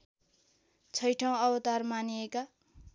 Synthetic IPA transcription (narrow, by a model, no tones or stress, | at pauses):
t͡sʰʌjʈʰʌw̃ʌbʌt̪armanijeka